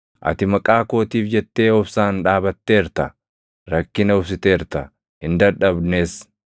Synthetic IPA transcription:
ʔɐ̰t̪ɪmɐkʼaːko̞ːt̪iːfd͡ʒɛt̪ːe̞ːɔfsaːnᶑaːbɐt̪ːe̞ːɾt̪ɐ | ɾɐkːɪnɐʊfsɪt̪e̞ːɾt̪ɐ | hɪnd̪ɐɾᶑɐbneːs

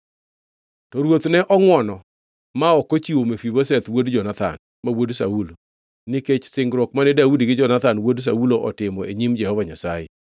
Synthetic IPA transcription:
tɔɾwot̪nɛʔɔŋwɔnɔ | maɔkot͡ʃiwomefibosɛt̪wodd͡ʒɔnat̪a̰n | mawodsa̰ulo | nɪket͡ʃsɪŋɡɾɔkmanɛdaudiɡɪd͡ʒɔnat̪anwods̬auloʔɔtɪmɔeɲimd͡ʒɛhɔvaɲasajɛ̰

